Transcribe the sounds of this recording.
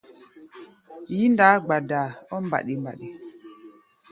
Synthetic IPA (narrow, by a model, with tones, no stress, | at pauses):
ji˨˦n˦da˨˦ɡ͡ba˨da˨ɔ˦m˦ba̰˨ɗi˨m˨ba̰˨ɗi˨